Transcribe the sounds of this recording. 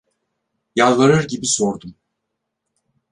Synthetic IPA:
jalˠvaɾɯɾɟibisoɾd̪um

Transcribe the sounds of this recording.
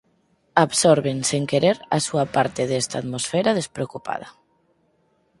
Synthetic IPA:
aβsoɾβeŋseŋkeɾeɾasuapaɾt̪eðɛst̪aːt̪mosfɛɾað̞espɾeokupa̰ð̞ɐ

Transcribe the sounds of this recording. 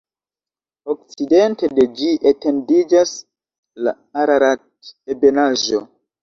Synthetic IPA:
ok̚t͡side̞nte̞ded͡ʒiʔete̞ndid͡ʒas | la̰ | aɾaɾatebe̞naʒo

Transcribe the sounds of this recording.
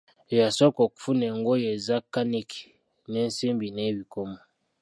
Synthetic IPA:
jasɔkɔku̥funɛŋɡojezakaniki̥ | nensimbinebikomɔ

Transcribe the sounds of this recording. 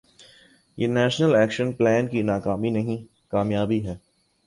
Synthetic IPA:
jeːnɛːʃnəlɛːkʃənplɛːnkinaːkaːminɐɦĩ | kaːmjaːbiɦɛː

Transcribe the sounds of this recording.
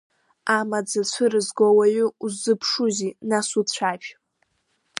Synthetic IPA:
amad͡zat͡ɕʷʰɨɾɨzɡowaɥʊuzɨpʰʂuzinasut͡ɕʷʰaʃ

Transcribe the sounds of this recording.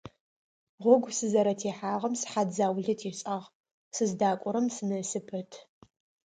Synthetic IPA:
ʁʷɔɡʷsɨzɐɾɐtʰeːħaːʁɐmsħad͡zaːwɮɐtʰeːɕʼɐʁ | sɨzdaːkʷʼɔɾɐmsɨnɐsɨpʰɨtʰ

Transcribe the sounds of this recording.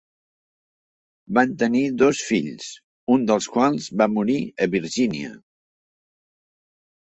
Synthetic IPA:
bant̪əniðɔsfiʎs | und̪əlˠskwalˠzβamuɾiəβiɾʒiniə̰

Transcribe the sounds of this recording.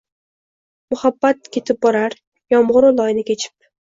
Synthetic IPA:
mʊhabːat̪̚kʲʰe̞t̪ʰɪp̚bɒɾaɾ | jɒmʁʊɾʊlˠɒjnɪkʲʰe̞t͡ʃʰɪ̥p̚

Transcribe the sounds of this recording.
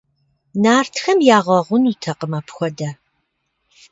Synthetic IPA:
naːrtʰxɐmjaːʁɐʁʷʊnuːtʰɐqəmapxʷɔdɐ

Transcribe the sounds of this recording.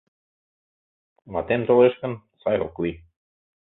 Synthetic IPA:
mat̪emt̪oleʃkə̆nsɑjɾo̰kli

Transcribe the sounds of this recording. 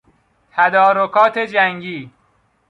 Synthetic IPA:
t̪ʰæd̪ɒːɾokʰɒːt̪ʰed͡ʒæŋɟiː

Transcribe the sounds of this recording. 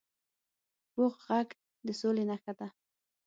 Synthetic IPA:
b̥oqɣaɡ | d̪əsolenaxat̪a

